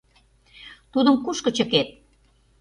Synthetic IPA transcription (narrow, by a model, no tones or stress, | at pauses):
t̪ud̪ə̆mkuʃkə̆t͡ɕə̆ket̪̚